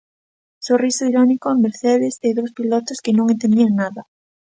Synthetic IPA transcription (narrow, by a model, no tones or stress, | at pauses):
sorisoiɾɔnikomeɾθeðɪst̪eðowspilɔt̪oskɪnõŋent̪end̪iaŋnaðɐ